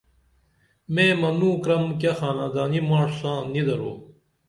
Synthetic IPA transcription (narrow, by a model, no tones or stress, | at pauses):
meːmɐnũːkɾɐmk̬ɐxaːnaːd̪aːnimaːʂsãːnid̪ɐɾoː